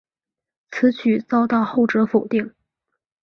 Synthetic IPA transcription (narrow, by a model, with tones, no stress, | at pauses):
t͡sʰɹ̩˧˥t͡ɕʰy˨˩t͡sɑ˥˧ʊt̪ɑ˥˧ʊxo˥˩ʊʈ͡ʂɤ˧˥fo˨˩ʊt̪i˥˩ŋ